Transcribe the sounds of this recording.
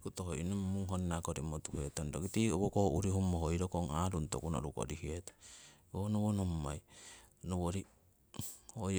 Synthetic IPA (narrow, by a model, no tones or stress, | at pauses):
kutoɦoʔinommuŋɦonnakoɾimotuhetondokitioβokohoʔuɾihumoɦojɾokoŋaɾunto̰kuno̰ɾuko̰ɾihieto̥onoβonomːajnoβoɾi | oj